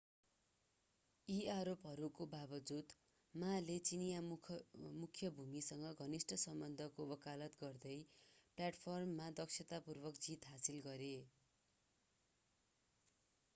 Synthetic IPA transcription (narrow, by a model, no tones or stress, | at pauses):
iaɾopɦʌɾukobabʌd͡zut̪ | malet͡sinija | mukʰjʌbʱumisʌŋɡʌɡʱʌnisʈʌsʌmbʌnd̪ʱʌkobʌkalʌt̪ɡʌrd̪ʌjplaʈpʰʌrmːad̪ʌksʰet̪apurbʌkd͡zit̪ɦasilɡʌɾe